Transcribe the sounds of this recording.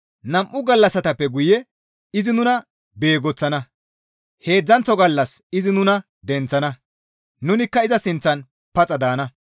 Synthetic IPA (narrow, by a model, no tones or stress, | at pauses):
nɐmʔʊɡɐlːɐsɐt̪ɐpːɛɡʊjɛ | ɪzɪnʊnɐ | be̞ːɡɔt͡sːɐnɐ | he̞ːd͡zːɐnt͡sːɔɡɐlːɐsɪzɪnʊnɐ | d̪ɛnt͡sːɐnɐ | nʊnɪkːɐɪzɐsɪnt͡sːɐn | pɐt͡sʼɐd̪aːnɐ